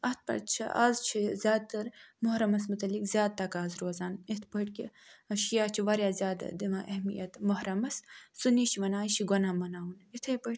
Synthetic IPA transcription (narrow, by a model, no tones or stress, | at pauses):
ɐt̪̚ʰpɐ̰ɾt͡ʃʰiʔa̰ːzt͡ʃʰizʲjaːd̪̚t̪ɐɾmoɦɾɐmɐsmut̪ɐlikzʲjaːd̪̚t̪ɐkaːzɾoːzaːnit̪ʰbɐʈkʲiɐʃijaːt͡ʃʰiʋɐɾjaːzʲjaːd̪ɐ̰d̪imaʔɐɦmḭjɐt̪mɐɦɾɐmɐssuniːʃʰiʋɐnaːiʃʰiɡɐnaːmɐnaːunit̪ʰebəʈ